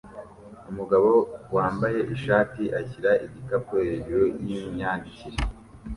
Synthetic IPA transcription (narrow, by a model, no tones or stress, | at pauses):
umuɡaβo̞waːmbaje̞ʔiʃaːtiʔaçiɾaʔiɟikapoeɾojjiɲaːndiciɾe